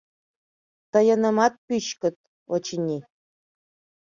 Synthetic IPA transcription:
t̪ɤ̆jɤ̆nɤ̆mɑt̪̚pʲyɕkɘ̆t̪̚ | ŏt͡ɕinʲi

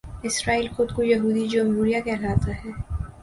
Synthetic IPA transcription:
ɪsɾaːiːlxʊd̪̚kojɐɦuːd̪id͡ʒəmɦuɾijakɛɦlaːt̪aɦɛː

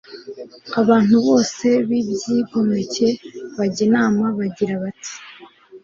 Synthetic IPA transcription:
aβaːn̥huβo̞ːse̞βibjiːɡo̞me̞ce̞βaɟinaːmaβaɟiɾaβati̥

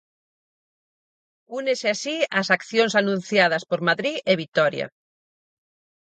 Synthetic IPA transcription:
uneseasiasakθjõŋsanũn̟θjað̞ɐspoɾmaðɾieβit̪ɔɾja̰

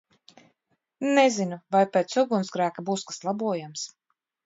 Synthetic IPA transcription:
nɛzinuvajpeːt̪suɡunsɡɾæːkabuːskḁslˠabuɔjams

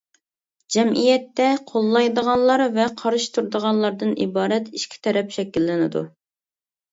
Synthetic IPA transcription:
d͡ʒɛmʔijɛt̪ːɛqʰolˠːɑjd̪əʁɑnlˠɑɾvɛqʰɑɾɨʃt̪uɾd̪əʁɑnlˠɑɾd̪ɨnʔibɑːɾɛt̪iʃkʲʰi̥t̪ʰɛɾɛpʃɛkʲːilːɪnɪ̰d̪ṵ

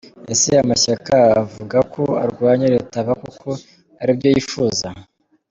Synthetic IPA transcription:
esijamaɕakaːvuɡakʰo̞a̰ɾɡwaːɲeɾe̞taβakukʰo̞ | aɾibjo̞jifuːza

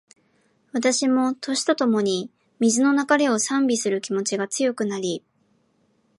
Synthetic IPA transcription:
βat̪aɕimo̞t̪ʰo̞ɕi̥t̪o̞t̪o̞mo̞ɲ̟i | mʲizɨno̞nakaɾe̞o̞sãmbʲisɨɾɯ̟kʲimo̞t͡ɕiɡat͡sɨjo̞kɯ̟naɾʲi

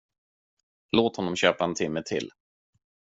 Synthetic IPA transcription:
loːt̪hɔnːɔmɕøːpaɛnt̪ʰɪmːət̪ʰɪ̰l

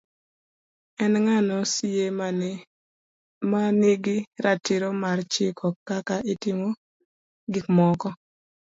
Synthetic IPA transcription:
ɛnŋanɔsije | maniɡɪɾatiɾomart͡ʃɪkʰɔkakaʔitɪmo | ɡɪkmɔkɔ

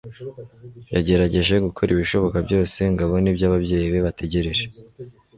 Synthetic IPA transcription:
jaɟe̞ɾaɟe̞ʒe̞ɡukʰo̞ɾiβiʃo̞βo̞kabjo̞ːse̞ŋɡaβo̞nibjaβabje̞ːjiβe̞βatʰe̞ɟe̞ɾeɾe

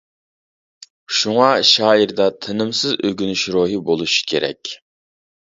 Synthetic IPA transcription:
ʃuŋɑʃɑːiɾd̪ɑt̪ʰɨnɨmsɨzøɡʲynyʃɾoːɦɨbolˠuʃi̥kʲʰeɾɛ̰kʲ

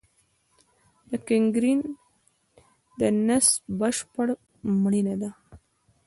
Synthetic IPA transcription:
d̪̥əkɪŋɡɾin | d̪ənasbəʃpəɽ | mɽinad̪a

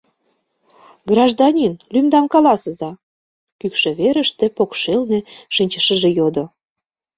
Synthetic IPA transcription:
ɡrɑʒd̪ɑnʲinlymd̪ɑmkɑlɑsə̆zɑ | kykʃĕβeɾə̆ʃt̪ĕpokʃelnĕʃinʲt͡ɕəʃəʒĕjod̪o

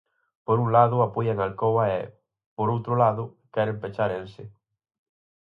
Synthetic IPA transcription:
poɾunlaðʊapojaeŋalkowaɛ̰ | poɾowt̪ɾʊlaðʊkɛɾempet͡ʃaɾensɪ

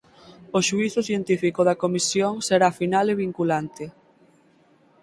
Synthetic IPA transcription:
oʃuiθʊθjent̪ifikoðɐkomisjoŋseɾafinaleβ̞iŋkulant̪e

